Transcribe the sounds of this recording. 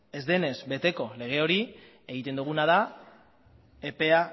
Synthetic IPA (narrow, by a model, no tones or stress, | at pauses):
e̞zðe̞ne̞zbe̞t̪e̞ko̞le̞ɣ̞e̞o̞ɾi | e̞ɣit̪e̞nd̪uɣ̞unað̞a | epe̞a